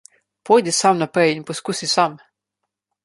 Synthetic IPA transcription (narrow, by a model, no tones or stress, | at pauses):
pɔjd̪isɑmnɐpɛjinpɔskusisɑm